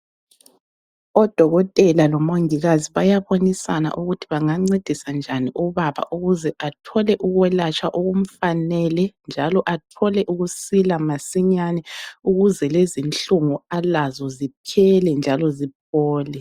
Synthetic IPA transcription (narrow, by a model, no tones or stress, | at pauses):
ɔd̥ʱɔɣɔtʼɛlalɔmoŋiɣaziβajaβonisa̰na̰ʔuɣutʰi̥βaŋaŋ͡ǀed̥ʱisand͡ʒʱaniʔuβaβa̰ʔuɣuzɛʔatʰɔlɛʔuɣwɛlat͡ʃʰʼaʔuɣum̩fanɛlɛnd͡ʒʱalɔʔatʰɔlɛʔuɣusilamasiɲanɛuɣuzɛlezint͡ɬuŋualazɔzipʰɛlɛnd͡ʒʱalɔzip̚ʰɔːlɛ